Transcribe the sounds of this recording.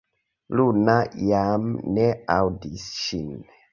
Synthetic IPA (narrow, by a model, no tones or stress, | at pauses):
lunajamneawdisʃin